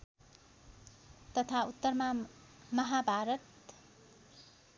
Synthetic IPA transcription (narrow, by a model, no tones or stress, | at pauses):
t̪ʌt̪ʰaut̪ːʌrma | mʌɦabʱaɾʌt̪